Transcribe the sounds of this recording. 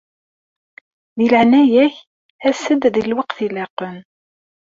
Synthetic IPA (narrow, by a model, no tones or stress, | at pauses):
ðiləʕnæjæç | æsəd̪ðilwəqθilɑqən